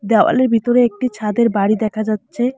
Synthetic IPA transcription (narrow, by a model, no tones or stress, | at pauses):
d̪ɛwa̰leɾbʱit̪oɾeek̚ʈit͡ɕʰad̪eɾbaɽid̪ɛkʰad͡ʑatːɕʰe